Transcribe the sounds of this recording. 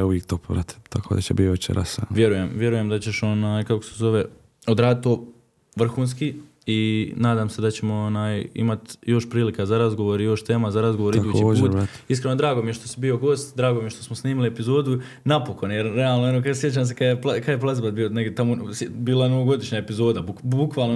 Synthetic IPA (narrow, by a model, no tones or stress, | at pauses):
ɛuʋek̚t̪opbɾat̪e̥t̪akʰoːd̪at͡ʃebit̪ʋet͡ʃḛɾa̰saʋje̞ɾujemʋje̞ɾuje̞md̪at͡ɕe̞ʃo̞naːjkako̞̥se̞zo̞ʋe | o̞d̪ɾaːd̪it̪o | ʋr̩xuːns̬ki | inaːd̪aːmse̞d̪at͡ɕe̞mo̞onaːjḭmat̪jo̞ʃpɾiːlikazaɾazɡo̞ʋo̞ɾijo̞ʃt̪e̞ːmazaɾazɡoʋoɾid̪uːt͡ʃipuːt̪ | iskɾeno̞d̪ɾaːɡo̞mijeʃt̪o̞sibio̞ɡo̞st̪d̪ɾaːɡo̞mieʃt̪o̞smosniːmilie̞pizo̞ːd̪u | napoko̞njeɾɾealˠnoonokasje̞t͡ɕaːms̬ekajeplakajeplˠazbat̪bijoneɡd̪ʲet̪amosbiːlˠanoʋoɡo̞d̪iʃɲaepizo̞ːd̪abubukʋalˠno